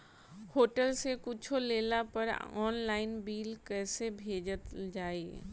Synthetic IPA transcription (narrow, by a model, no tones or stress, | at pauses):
hoːʈəlsekʊt͡ʃʰoleːlapɐɾɔːnlaːɪnbiːlkɛːsebʱeːd͡ʒət̪d͡ʒaːiː